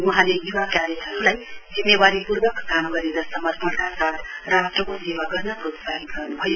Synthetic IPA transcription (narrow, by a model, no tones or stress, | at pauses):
wʌɦãlejuwakaɾetʌɾulajd͡zimːewaɾipuɾbʌkkamɡʌɾeɾʌsʌmʌtpʰʌkasat̪ʰrasʈrʌkosewaɡʌɾnʌkutsaɦinɡʌrnubʱʌjo